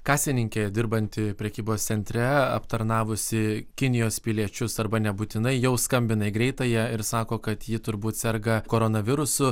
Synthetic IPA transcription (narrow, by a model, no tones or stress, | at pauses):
kɑːsʲɪnʲɪŋʲkʲeːd̪ʲɪɾbɐnʲt̪ʲɪpʲɾʲɛkʲiːboːst̪sʲɛnʲt̪ʲɾʲɛɐ̰pt̪ɐɾnɑːʋʊsʲɪkʲɪnʲɪjoːspʲɪlʲiɛt͡ʃʲʊsɐrbɐnʲɛbuːt̪ʲɪnɐɪjɛʊskɐmʲbʲɪnɐɪɡɾʲɛɪt̪ɐjɛɪɾsɑːkoːkɐt̪jɪt̪ʊɾbuːt̪sʲɛrɡɐkoːɾoːnɐʋʲɪɾʊsʊ